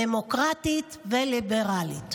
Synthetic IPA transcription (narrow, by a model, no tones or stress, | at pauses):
emokʁat̪itvelibeʁalit̪